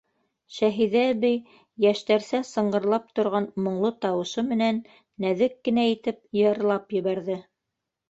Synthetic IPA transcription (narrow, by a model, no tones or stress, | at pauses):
ʃæɦiðæbɘj | jæʃt̪æɾsæsɤ̆ɴɢɤ̆ɾlˠɑp̚t̪ŏɾʁɑnmŏɴlˠot̪ɑwɤ̆ʃɤmɘ̆nænː | æðɘkːɘ̆næit̪ɘp̚jɤ̆ɾlˠɑpjɘ̆βæɾðɘ